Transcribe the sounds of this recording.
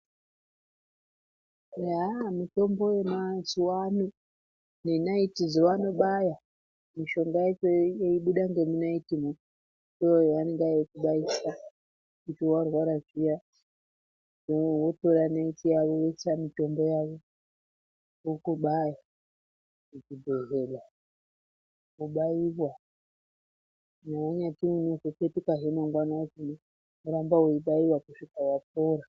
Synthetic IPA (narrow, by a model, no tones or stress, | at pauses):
amito̞mbo̞jemazuwanu | nenaitizowano̞ɓaja | miʃo̞ŋɡaet͡ʃejeiɓuɗaŋɡe̞minaitimo | doojaneŋɡajekuɓaisa | ut͡ʃiwarwaɾaʐija | wotoɾanaitijaβowet͡ʃamitombojaʋo | ukuɓaja | kud͡zibʱeɦela | kuɓaiβwa | nawaɲatiwunukuketikaɦemaŋɡwanazino | uɾambauiɓaiwakuʂikawap̚oɾa